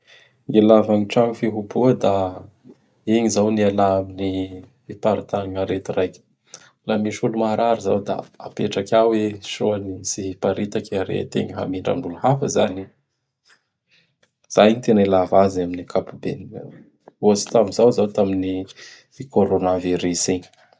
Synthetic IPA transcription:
ilavaŋiʈ͡ʂaŋifiɦubuəd̪a | eɲizawnialaamini | ipaɾit̪anaŋaɾet̪irajkʲə̥ | lamiʃulumaɾʔaɾiza̰wd̪a̰a̰peʈ͡ʂakʲaweʃoanisiipaɾit̪akʲaɾḛt̪ḛŋɦa̰miɳɖ͡ʐa̰ŋuluhafəzani | z̥ajɲit̪enilavazaminikʰapubḛnḭ | ot͡si̥t̪amizawzawt̪amini | koɾonaviɾiseɲ

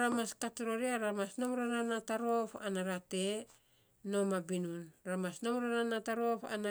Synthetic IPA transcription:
ɾamaskatɾoɾiaɾamasnomɾonanataɾopa̰naɾate̞ | no̞mabinunɾamasnomɾonanataɾo̞pa̰na

